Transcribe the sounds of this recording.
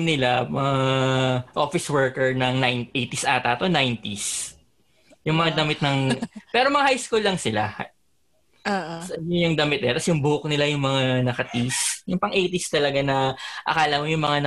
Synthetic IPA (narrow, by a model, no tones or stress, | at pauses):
nɪlamɐŋa | ʔo̞fɪswɛɹkɛɹnɐŋnajnt̪ʔejt̪isʔaːt̪aːt̪o̞najnt̪is | jʊŋmɐŋad̪ɐmɪt̪̚nɐŋpɛːɾo̞mɐŋahajskulːɐŋsɪla̰h | ʔsɐʔɐnojʊŋd̪ɐmɪt̪̚nɪlat̪ɐsjʊŋbʊhok̚nɪlajʊŋmɐŋanɐkɐt̪isjʊŋpɐŋʔejt̪ɪst̪ɐlɐɡanɐʔɐ̰kaːlɐmojʊŋmɐŋanɐ